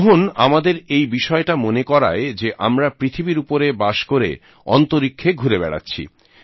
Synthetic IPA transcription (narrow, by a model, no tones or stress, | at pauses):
ɦona̰mad̪eɾejbiʃɔeʈamonekɔɾa̰ed͡ʑeʔamɾapɾit̪ʰibiɾupoɾebaʃkoɾḛ | ɔ̰nt̪oɾikʰːeɡʱuɾebɛɽa̰tːɕʰḭ